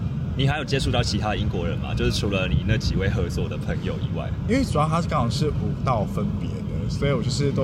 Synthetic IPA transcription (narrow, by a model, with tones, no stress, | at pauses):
ni˨˩xa˧˥ɪjo˨˩ʊt͡ɕjɛ˧˥ʂʰu˥˧t̪ɑ˥˩ʊt͡ɕʰi˧˥t̪ʰa˥d̪ə˨˧i˦ŋkwɔ˧˦ɻə̰˧˦nma̰˨t͡ɕjo˥˧ʊʂɻ̩˥˩ʈ͡ʂʰu˧˥lə˧ni˨˩na˥ɡt͡ɕi˨˩we˥˩ɪxɤ˧˥t͡swɔ˥˨˩d̪ə˩pʰə˧˥ŋjo˨˩ʊi˧˦wa̰˥˩ɪi˥nwe˥˩sja˥˩t̪ʰa˥kɑ˥ŋkɑ˨˧˩ŋʂɻ̩˥˩ʔu˨˩t̪ɑ˥˨˩ʊfə˦npjɛ˧˦d̪ə˨swɔ˧˥i˨wɔ˨˩t͡ɕjo˥˧ʊʂɻ̩˥˩t̪o˥˦